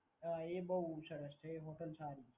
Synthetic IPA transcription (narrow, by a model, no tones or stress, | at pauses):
əebəɦusəɾəst͡ʃʰeɦoʈənsaːɾi